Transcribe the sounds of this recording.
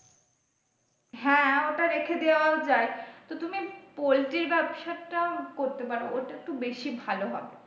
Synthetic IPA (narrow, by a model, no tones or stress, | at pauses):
ɦɛ̃oʈaɾekʰed̪ewaod͡ʑaet̪ot̪umipolʈiɾbɛbʃaeʈakoɾt̪epaɾooʈaek̚ʈubeʃibʱaloɦɔbe